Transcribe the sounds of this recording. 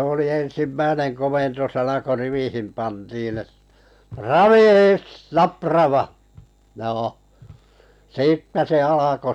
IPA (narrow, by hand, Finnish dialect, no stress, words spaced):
oli en̞simːæinen komentosɑnɑ ko riʋihin pɑntiːn et rɑʋiːs nɑprɑʋɑ joː siːtːæ se ɑlɑko